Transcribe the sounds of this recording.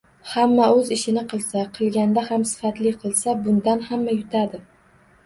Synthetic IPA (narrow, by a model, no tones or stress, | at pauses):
hamːaɵzɪʃɪnɪqʰɨlˠsaqʰɨlˠɡʲand̪ahamsɪ̥fat̪lɪqʰɨlˠsabʊnd̪anhamːajʊt̪ʰad̪ɪ